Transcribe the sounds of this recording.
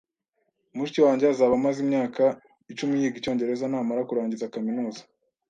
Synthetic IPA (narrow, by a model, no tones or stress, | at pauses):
umuʃiciwaːɲɟeazaːβamazimɲaːka | it͡ʃumijiːɡico̞ːɲɟe̞ɾe̞zanaːmaɾakuɾaːɲɟizakaminuːzḁ